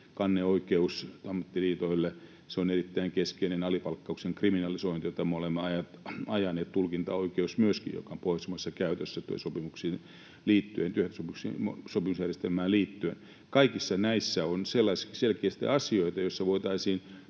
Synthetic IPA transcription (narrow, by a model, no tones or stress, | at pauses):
kɑnːeoikeust̪ɑmːɑt̪ːiliːt̪oilːe | seonerit̪ːæiŋkeskeinenɑlipɑlkːɑukseŋkriminɑlisoint̪ijot̪ɑmeolemːeɑjɑt̪ɑjɑneːt̪t̪ulkint̪ɑoikeusmyøskḭjjo̰kɑmpoisemosesːɑkæyt̪øsːæt̪ṵsopimuksiːn | liːt̪ːyehent̪yøht̪æsopuksḭsopimusjærjest̪elmæːlliːt̪ːyḛn | kɑikisːɑnæisːæonselːɑiskiselkeːst̪ḭɑsioit̪ɑjosːɑʋoit̪ɑisiːn